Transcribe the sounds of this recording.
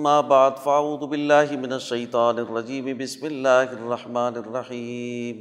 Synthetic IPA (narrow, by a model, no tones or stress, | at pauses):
mːaːbaʕd̪faʕaʕuːd̪ʊbɪlːaːɦɪmɪnaʃːɐjt̪ˤɑːnrˤːɑd͡ʒiːmɪbɪsmɪlːaːɦɪarˤːɑħmaːnarˤːɑħiːm